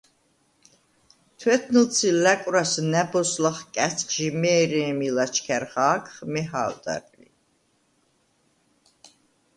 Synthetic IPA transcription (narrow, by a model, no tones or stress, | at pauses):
t̪ʰwɛt̪ʰnəlt̪t͡sʰilækʼɾasnæbɔslaχkʼæt͡sʰʼχʼʃimɛːɾɛːmilat͡ʃʰkʰæɾχaːkʰχmɛɦa̰ːld̪a̰ɾlḭ